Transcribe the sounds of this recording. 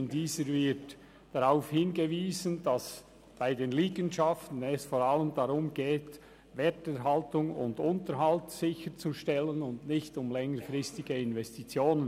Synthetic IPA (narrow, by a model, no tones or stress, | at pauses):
ndiːzəɾvɪɾt | d̥aɾaʊfhɪnɡəviːzənd̥ɑs | b̥aɪdeːnliːɡənʃaftn̩ɛsfoːɾaləmdaɾʊmɡ̥eːt | vɛtɛɾɦaltʊŋʊ̰ndʊntəɾɦaltsɪçəɾt͡suʃtɛlənʊndnɪçtʊmlɛŋəɾfʁɪstɪɡəɪnvɛstit͡sjoːnən